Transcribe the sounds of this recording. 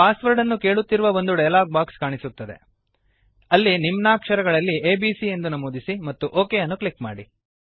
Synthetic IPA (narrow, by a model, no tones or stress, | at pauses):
paːsʋɐɾɖɐnːuke̞ːɭut̪ːiɾuʋɐʋo̞nd̪uɖɐjlaːɡ̚baːkskaːɳisut̪ːɐd̪e̞̰ | ɐlːinimnaːkʂɐɾɐɡɐɭɐlːieːbiːsie̞nd̪unɐmoːd̪isimɐt̪ːuʔoːkejɐnːukɭikma̰ːɽi